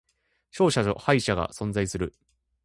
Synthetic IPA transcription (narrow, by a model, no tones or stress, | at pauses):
ɕo̞ːɕao̰haiɕaɡa̰sõ̞nd͡zaisɨɾɯ̟